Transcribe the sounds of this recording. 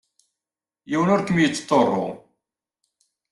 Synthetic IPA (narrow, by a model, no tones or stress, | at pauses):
jiwənʊɾkəmjət͡sːt̪ˤːorˤːo̰